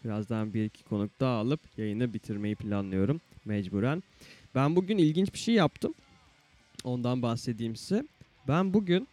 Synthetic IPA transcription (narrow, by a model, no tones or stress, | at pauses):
biɾazd̪anbiɾicʰi̥kʰo̞nuk̚t̪ʰaːlˠɯpjajɯnɯbit̪ʰiɾme̞jipʰilʲanlˠɯjo̞ɾumːɛd͡ʒbuːɾæn | bænbuɟynilʲɟint͡ʃbi̥ʃejjapt̪ʰɯm | o̞nd̪anbaxse̞d̪iːmsɛ | bænbuɟyn